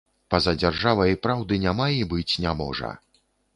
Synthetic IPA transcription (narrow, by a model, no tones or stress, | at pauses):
pɐzad͡zʲarʐavɐjipɾawd̪ɨnʲamaibɨt͡sʲnʲamɔ̰ʐɐ̰